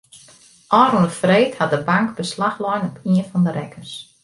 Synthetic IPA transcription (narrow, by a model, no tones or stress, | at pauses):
ʔɔːɾunəfreːthat̚dəbaŋkbəslaxlɔjnɔpʰiənfɔndəɾɛkʰərs